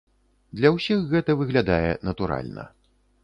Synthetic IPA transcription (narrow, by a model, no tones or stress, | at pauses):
d̪lʲɐwsʲixːɛt̪ɐvɨɣlʲad̪ajɛ̰nɐt̪uɾa̰lʲnɐ̰